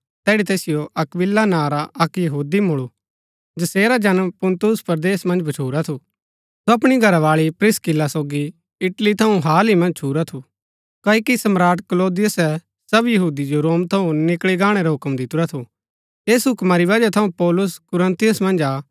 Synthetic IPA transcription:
t̪ɛːɽit̪eːsɪjoʔɐkbɪlːanaːɾaʔɐkjɐɦuːd̪imʊɭu | d͡ʒɐseːɾad͡ʒɐnəmpʊ̃nt̪ʊspɐɾd̪eːsmɐ̃nd͡ʒbʱɐt͡ʃʰuːɾat̪ʰu | soɐpɽ̃iɡʱɐɾaʋaːɭipɾɪskɪlːasoːɡi | ɪʈlit̪ʰɐũɦaːlimɐ̃nd͡ʒt͡ʃʰuːɾat̪ʰu | kaːikisɐmɾaːʈkloːd̪ɪjʊsɛ | sɐbjɐɦuːd̪id͡ʒoɾoːmt̪ʰɐũnɪkɭiɡaːɽ̃eɾaɦʊkmd̪ɪt̪uɾat̪ʰu | eːsɦʊkmaɾiʋɐd͡ʒat̪ʰɐũpɔːlʊskʊɾə̃nt̪ɪjʊsmɐ̃nd͡ʒaː

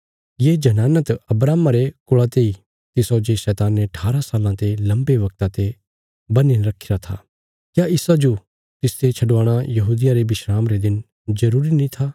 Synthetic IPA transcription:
jeːd͡ʒɐnaːnət̪ɐbɾaːmaɾekʊɭat̪ei | t̪ɪsod͡ʒeʃɛːt̪aːneɐʈʰaːɾasaːlãt̪elɐ̃mbeʋɐk̚t̪ãt̪e | bɐninɾɐkʰɪɾat̪ʰa̰ː | kjaʔɪsad͡ʒo | t̪ɪst̪et͡ʃʰɐɖʋaːɽ̃ãjɐɦuːd̪ɪjaɾebɪʃɾaːmɾed̪ɪn | d͡ʒɐɾuːɾinĩt̪ʰaː

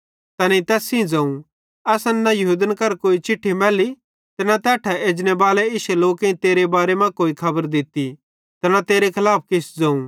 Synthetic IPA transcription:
t̪ɐnĩt̪ɛːsĩd͡zɐ̃ːũ | ɛːsɐ̃nnɐjɐɦuːd̪ənkɐɾkoːit͡ʃɪʈʰːimɛːli | t̪ɐnat̪ɛːʈʰɛeːd͡ʒnɛbaːlɛɪʃɛloːkĩt̪eːɾebaːɾemɐ̃koːikʰɐbəɾd̪ɪt̪i | t̪ɐnat̪eːɾekʰɐlaːp̚ʰkɪsd͡zɐ̃ːũ

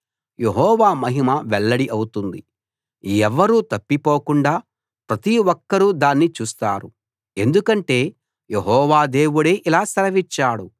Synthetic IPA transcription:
je̞ɦɔːʋaːmɐɦimɐʋɛɭːɐɽiʔɐwut̪und̪i | ɛʋɐɾuːt̪ɐpːipo̞ːkuɳɖaː | pɾɐt̪iwɔkːɐɾud̪aːnːit͡ʃuːst̪a̰ːɾu | e̞nd̪ukɐɳʈe̞ː | je̞ɦɔːʋaːd̪e̞ːʋuɽeːʔilaːsɐlɐʋit͡ʃːaːɽu

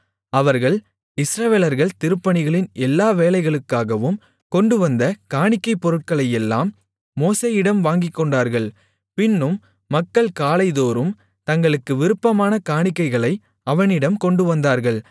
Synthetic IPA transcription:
ɐʋɐɾɣɐɭ | ɪsɾɐʋeːlɐɾɣɐɭt̪ɪɾɯpːɐɳɪɣɐɭɪnɛlːaːʋeːlɐɪɣɐɭɯkːaːɣɐʋɯm | kɔɳɖɯʋɐnd̪ɐkaːɳɪkːɐɪpːɔɾɯʈ̚kɐɭɐjɛlːa̰ːmː | oːseːjɪɽɐmʋaːŋɡɪkːɔɳɖaːɾɣɐɭ | pɪnːɯmː | ɐkːɐɭkaːlɐɪðoːɾɯm | t̪ɐŋɡɐɭɯkːɯʋɪɾɯpːɐmaːnɐkaːɳɪkːɐɪɣɐɭɐɪ | ɐʋɐnɪɽɐmkɔɳɖɯʋɐnd̪aːɾɣɐɭ

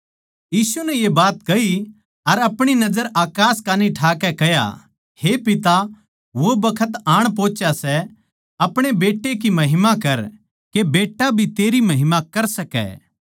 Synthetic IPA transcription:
jiːsunɛjebaːt̪kɐi | ɐɾɐpɽ̃inɐd͡ʒəɾaːkaːskaːniʈʰaːkɛkɐja̰ | hepɪt̪a | ʋobɐkʰət̪aːɽ̃p̬õːt͡ʃasɛ | ɐpɽ̃ebeːʈːek̬imɐɦɪmakɐɾ | kebeːʈːabʱit̪eːɾimɐɦɪmakɐɾsɐkɛ̰ː

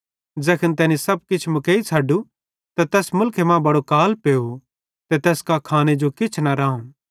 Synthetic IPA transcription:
d͡ʒɛːkʰənt̪ɛːnisɐb̚kɪt͡ʃʰmʊkeːit͡sʰɐːɖu | t̪at̪ɛːsmʊlkʰemãbɐɽokaːlpeːo | t̪et̪ɛːskakʰaːned͡ʒokɪt͡ʃʰnɐɾãːũ

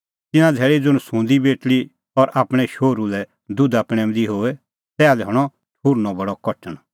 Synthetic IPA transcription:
t̪ɪnãd͡zʱɛːɭid͡zʊɽ̃sũːnd̪ibeːʈli | ɔɾʔaːpɽ̃ɛʃoːɾulɛ | d̪ʊd̪apɽ̃ɛmd̪iɦoːɛ | sɛːalɛɦɔɽ̃ɔ | ʈʰuːɾnɔbɐɽɔkɔʈəɽ̃

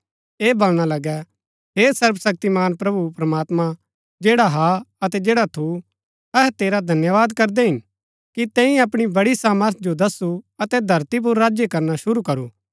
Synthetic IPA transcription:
eːbolɽ̃alɐɡɛ | ɦeːsɐɾbsɐk̚t̪imaːnpɾɐbupɾɐmaːt̪mã | d͡ʒeːɽaɦaɐt̪ɛd͡ʒeːɽat̪ʰu | ɛɦɛt̪eːɾad̪ʱɐnjəʋaːd̪kɐɾd̪eɦɪn | kit̪ɛ̃ːĩɐpɽ̃ibɐɽisaːməɾt̪̚ʰd͡ʒod̪ɐsːuɐt̪ɛd̪ʱɐɾt̪ip̬ʊɾːaːd͡ʒjekɐɾnaʃʊɾukɐɾuː

